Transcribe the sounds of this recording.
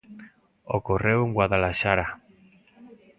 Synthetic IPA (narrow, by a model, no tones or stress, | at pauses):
o̰koreweŋɡwaðalaʃaɾa